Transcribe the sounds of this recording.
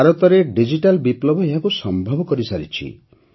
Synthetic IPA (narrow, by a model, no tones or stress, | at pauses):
aɾɔt̪ɔɾeɖid͡ʒiʈalbiplɔbʱɔeɦakusɔmbʱɔbɔkɔɾisaɾit͡ʃʰḭ